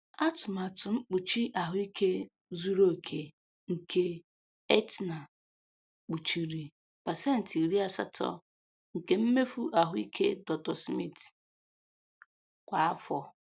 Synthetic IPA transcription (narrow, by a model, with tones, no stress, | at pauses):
a˦tʊ˨ma˨tʊ˨ŋ͡m̩˦k͡pu˨t͡ʃi˦ʔa˨ɦʊ˦i˦kʰe˦ | zu˦ɾo˦˨kʰe˨ | ŋ̩˨kʰe˦ | e˦tna˨ | k͡pu˨t͡ʃi˨ɾi˨ | pa˨se˦n̩˨ti˨ɾi˦a˨sa̰˦tʰɔ̰˦ | ŋ̩˨ke˨m̩˦me˦fu˦ʔa˨ɦʊ˦ḭ˦kʰḛ˦dɔ˨tɔ˨smi˦˨t | kʷa˨a˦fɔ˨